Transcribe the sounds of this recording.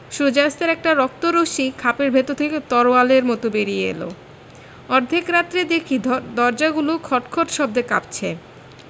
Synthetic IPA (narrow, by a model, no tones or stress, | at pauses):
ʃud͡ʑast̪eɾɛk̚ʈaɾɔk̚t̪oɾoʃikʰapeɾbʱet̪ot̪ʰeket̪ɔɾoaleɾmɔt̪obeɾieḛlo̰ | ɔɾd̪ʱikɾat̪ːɾed̪ekʰid̪d̪ɔɾd͡ʑaɡulokʰɔʈkʰoʈʃɔb̚d̪eka̰p̚t͡ɕʰe